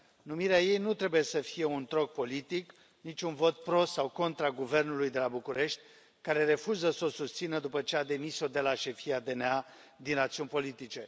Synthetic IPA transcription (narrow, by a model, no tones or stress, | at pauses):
numiɾeaje̞jnut̪ɾe̞buje̞səfije̞unt̪ɾo̞k̚po̞lit̪ik | nit͡ʃʲunvo̞t̪̚pɾo̞sawko̞nt̪ɾaɡuve̞rnulujd̪e̞labukuɾe̞ʃt̪ʲ | kaɾe̞ɾe̞fuzəso̞sust̪sinəd̪upət͡ʃe̞ad̪e̞miso̞d̪e̞laʃe̞fiad̪e̞nea | d̪inrat̪siunʲpo̞lit̪it͡ʃe̞